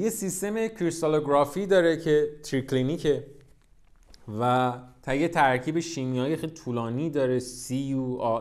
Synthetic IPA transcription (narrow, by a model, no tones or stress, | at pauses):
jesist̪e̞mekʰiɾsoloɡɾɒːfid̪ɒːɾecʰe̞t̪ʰɾikʰlinikʰe̞ | væt̪ʰæjet̪ʰæɾkʰiːbe̞ʃiːmijɒːjexelit̪ʰuːlɒːniːd̪ɒːɾesiuɒ